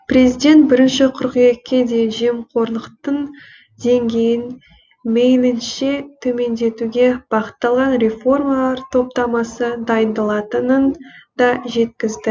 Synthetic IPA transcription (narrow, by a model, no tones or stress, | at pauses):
pre̞zijd̪e̞nt̪̚bɪɾɪnʃɪqʰʊɾqije̞kʲːe̞d̪e̞ʒe̞mqʰo̞ɾlˠəqt̪əɴ | d̪e̞ŋɡʲe̞jɪn | mejlɪnʃe̞t̪ʰɵme̞nd̪e̞t̪uɡʲe̞b̥ɑχə̥t̪ːɑlˠʁɑnɾʲe̞fo̞rmalˠɑɾt̪ʰo̞p̚t̪ɑmɑsəd̪ɑjənd̪əlˠɑt̪ənənd̪ɑʒe̞t̪kʲɪzd̪ɪ